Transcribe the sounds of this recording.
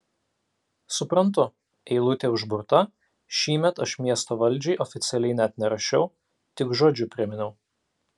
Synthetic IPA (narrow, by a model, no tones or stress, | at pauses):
sʊpɾɐnt̪ʊ | ɛɪlˠʊt̪ʲeʊʒbʊɾt̪ɐ | ʃʲiːmʲɛt̪ɐʃmʲiɛst̪oːʋɐlʲˑd͡ʒʲɛɪʔɔfʲɪt̪sʲɛlʲɛɪnʲɛt̪ʲnʲɛɾɐʃʲɛʊ | t̪ʲɪkʒoːd͡ʒʲʊpʲɾʲɪmʲɪnʲɛʊ